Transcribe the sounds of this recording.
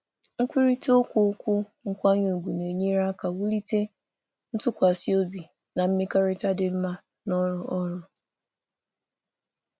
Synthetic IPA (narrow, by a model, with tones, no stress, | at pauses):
ŋ̩˦kʷi˦ɾi˦to˦kʷʊ˦kʷʊ˦ | ŋ̩˦˨kʷa˦ɲo˨ɡʷu˨ne˨ɲe˦ɾa˦ka˨wu˦li˦te˦ | n̩˦tʊ˦kʷa˨si˦o˦bi˨ | na˨m̩˦me˦ka˦ɾɪ˦ta˦dɪ˨m̩˦ma˦ | nɔ˦ɾʊ˨ʔɔ˦ɾʊ˨